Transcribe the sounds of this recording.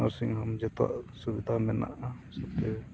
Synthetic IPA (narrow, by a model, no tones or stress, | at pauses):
aɾsiŋhamd͡ʒɛt̪a̰ʔsubid̪ʱamɛna̰ʔa | sɛt̪ɛ